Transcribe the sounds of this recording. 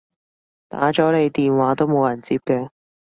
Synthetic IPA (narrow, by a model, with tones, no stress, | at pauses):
t̪a̰ː˨˥t͡ʃɔː˨˥le˨˧jt̪iː˨nwaː˨˥t̪o˥wmo˨˧wjɐ˨˩nt͡siː˧p̚kɛː˧